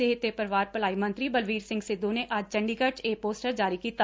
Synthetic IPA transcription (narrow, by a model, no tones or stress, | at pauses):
ɪɦɪt̪ːepəɾʋaːɾpəlaːimɐ̃nt̪ɾibəlʋiːɾsɪ̃ŋɡsɪd̪õneʔɐd͡ʒt͡ʃɐ̃ɳɖikəʈeːpoːsʈəɾd͡ʒaːɾikiːt̪a